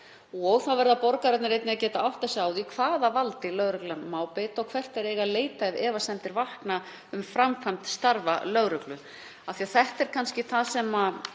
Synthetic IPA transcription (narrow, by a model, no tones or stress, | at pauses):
ɔɣθawvɛɾðapɔɾkaɾat̪naɾejt̪nɪacɛːt̪aawht̪θɛsaːwðikʰvaːðavalt̪ɪlœɣɾʏklanmaːwpɛt̪ɔwkʰvɛr̥t̪ɛɾeːɣaleːjt̪aɛvɛːvasɛnt̪ɪɾvahkna | ʏmfɾamkʰant̪st̪aɾva̰lœɣɾʏklʏ | aθiaθɛht̪ɛɾ̥kʰanscɪθasɛma